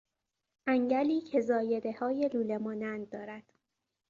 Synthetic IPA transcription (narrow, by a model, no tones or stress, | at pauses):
ʔæŋɟæliːcʰe̞zɒːje̞d̪e̞hɒːje̞luːle̞mɒːnænd̪̚d̪ːɒːɾæd̪̥